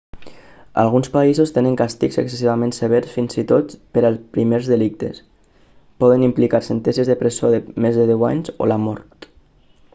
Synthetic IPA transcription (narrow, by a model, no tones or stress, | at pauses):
a̰lˠɣunspaizost̪enəŋkast̪ikzə̰ksesiβamẽnseβ̞ɛɾsfinzit̪ot̪pəɾəlˠspɾimeɾzðəlik̚t̪ḛs | pɔðənimplikaɾsent̪ɛnsizðəpɾesioðəmezðəðɛwa̰ɲzo̰lamɔ̰ɾt̪